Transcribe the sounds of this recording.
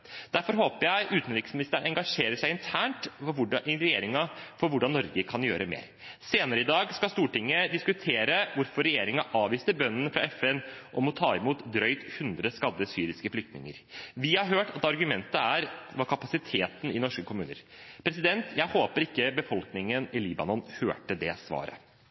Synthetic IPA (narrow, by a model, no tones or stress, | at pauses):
d̪̥æɾfɔɾɦoːpəjæɪʔʉːt̪nɾɪksmɪnɪst̪əəɳɛŋɡɑʂeːɾəʂæɪɪnt̪ʰæːɳʈfɔɾʋɪɾɛjeːɾɪŋɑfɔɾʋʊɖɑnːɔɾɡəkʰɑnjø̰ːɾʔəmḛːɾ | seːnəɾəɪd̪ɑːɡskɑst̪uːʈɪŋːəd̪ɪskʉt̪ʰeːɾəʋʊɾfɔɾɛjeːɾɪŋɑʔɑːʋiːst̪əbœnːən̩fɾɑ̰ɛfɛnʔɔmɔt̪ʰɑːɪmuːt̪d̪ɾœʏt̪hʉnd̪ɾəskɑd̪ːəsyːɾɪskəflʏk̚t̪nɪ̰ŋə̰ɾʋɪhɑɾɦøːʈɑt̪ɑɾɡʉmɛnt̪əæɾʋɑɾkʰɑpɑsɪt̪ʰeːt̪n̩ɪnɔʂkəkʰʊmʉːnə̰ɾpʰɾɛsɪd̪ɛnt̪jæɪhoːpəɾɪkːəbəfɔlknɪŋənɪliːbɑ̰nɔnhø̰ːʈəd̪ɛsʋɑ̰ːɾə̰